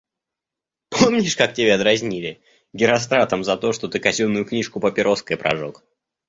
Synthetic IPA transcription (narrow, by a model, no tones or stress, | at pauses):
pʰo̞mnʲɪʂkak̚tʲɪbʲeɐd̪ɾɐzʲnʲilʲɪ | ɡʲɪɾɐs̬t̪ɾat̪əmzɐt̪o̞ʂt̪ot̪ɨkɐzʲunːʊjʊknʲiʂkʊpəpʲɪɾʔo̞skəjpɾʔɐ̰ʐo̰k